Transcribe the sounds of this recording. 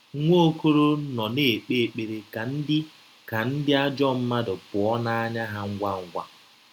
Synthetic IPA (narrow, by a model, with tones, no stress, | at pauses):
ŋʷo˦o˦ko˦ɾo˦nɔ˨ne˨e˨k͡pe˦˨k͡pe˨ɾe˨ka˨n̩˦dɪ˦ | ka˨n̩˦dɪ˦a˦d͡ʒɔ˦m̩˦ma˦dʊ˨pʊ˨ɔ˦na˦ɲa˦ɦa˦ŋ̩˦ɡʷa˦ŋ̩˦ɡʷa̰˦